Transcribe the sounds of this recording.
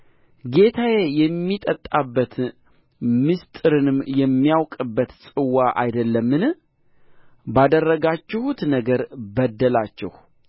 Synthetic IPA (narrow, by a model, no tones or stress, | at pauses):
ɡe̞t̪ʰajejɛmːit̪ʼət̪ʼabːət̪ | mɨst̪ʼɨɾɨnɨmjɛmːijawkʼɨbːət̪sʼɨwaʔa̰jd̪əlːəmːɨn | bad̪ərːəɡat͡ʃːɛhut̪nəɡəɾbəd̪ːəlat͡ʃːɛ̰h